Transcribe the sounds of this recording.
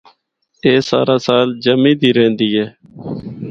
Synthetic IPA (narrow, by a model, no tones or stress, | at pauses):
eːsa̰ːɾaːsaːld͡ʒəmĩːd̪iːɾẽːnd̪iːɦɛː